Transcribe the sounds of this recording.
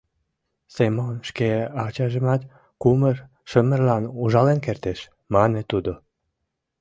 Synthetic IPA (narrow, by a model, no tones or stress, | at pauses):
semonʃkeɑt͡ɕɑʒəmɑt̪ | kumər | ʃəmərlɑnuʒɑlenkert̪eʃ | mɑnet̪ud̪o